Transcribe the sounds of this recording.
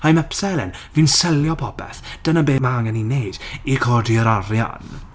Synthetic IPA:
hajmɛpsɛlɛ̰nvinsɛljɔpʰɔbɛ̰θd̥ənabeːmaŋɛninejd̥ikʰɔdiəɾaɾja̰n

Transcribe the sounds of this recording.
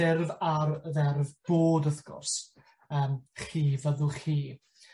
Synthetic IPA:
ɪrvarðɛrvb̥oːdəθɡ̥ʊ̰rs | əːmχiːvəðʊlˠχiː

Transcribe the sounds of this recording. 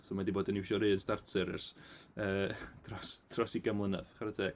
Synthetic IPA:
somadiboːdəniwʃɔɾɨːənstartʰɨɾə̰rsəːd̥ʰrɔsd̥ʰrɔsiɡamlˠənə̰ðχaɾɛtʰe

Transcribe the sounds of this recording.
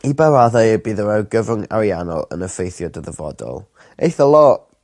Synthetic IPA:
ibaɾaðajəbiːðəɾaɡəvəŋa̰ɾianɔ̰lˠə̰nəfejθjɔdəðəvɔ̰dɔ̰lˠ | ejθəlˠɔʔ

